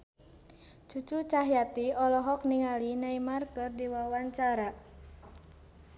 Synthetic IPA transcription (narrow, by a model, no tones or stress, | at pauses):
t͡ʃut͡ʃut͡ʃaɦjat̪iɔlɔɦɔk̚niŋalinaimarkɨrdiwawaɲt͡ʃaɾa